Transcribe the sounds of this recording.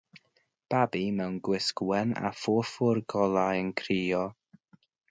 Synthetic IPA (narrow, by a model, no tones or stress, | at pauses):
b̥abimɛwnɡwɪskwɛna̰fʊfʊrɡɔlˠajənkʰriːɔ